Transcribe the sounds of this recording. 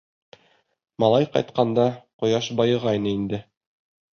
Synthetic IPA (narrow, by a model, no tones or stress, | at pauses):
mɑlˠɑjqɑ̰jt̪̚qɑnd̪ɑqŏjɑʃbɑjɤ̆ʁɑjnɤind̪ɘ